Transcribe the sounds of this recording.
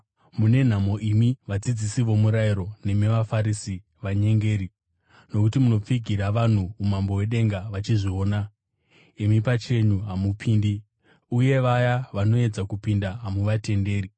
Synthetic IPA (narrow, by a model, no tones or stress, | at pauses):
mune̞n̤amo̞ʔimiʋad͡zid͡zisiʋo̞muɾaiɾo̞ne̞meʋafaɾisi | ʋaɲe̞ŋɡe̞ːɾi | no̞kutimuno̞p͡fiɡʱiɾaʋan̤uumambo̞we̞ɗe̞ŋɡaʋat͡ʃiʐio̞ːna | imipat͡ʃe̞ɲuɦamupʰiːndi | uje̞ʋajaʋano̞e̞d͡zakupindaɦamuʋate̞nde̞ːri